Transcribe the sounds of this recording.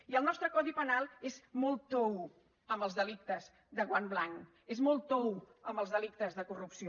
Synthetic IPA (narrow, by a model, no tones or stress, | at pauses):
iəlˠnɔst̪ɾəkɔðipənalˠezmɔlˠt̪ow | əmbəlˠzðəlik̚t̪əz | ðəɣwamblaŋk | ezmɔlˠt̪owəmbəlˠzðəlikt̪əzðəkurupsio